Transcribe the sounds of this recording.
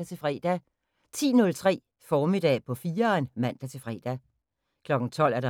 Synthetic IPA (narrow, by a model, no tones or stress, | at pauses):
æt͡sʰe̝fʁɛ̰ːd̥æ | t͡sʰḭːnɔ̽lt͡sʰʁɛ̰ː | fɒːme̝d̥ɛ̰ːpʰɒ̽fiːɐnmæn̰d̥æt͡sʰe̝fʁɛ̰ːd̥æ | kʰlɒ̽ɡ̥n̩t͡sʰɒ̽l̰æɐɾ̥ɑ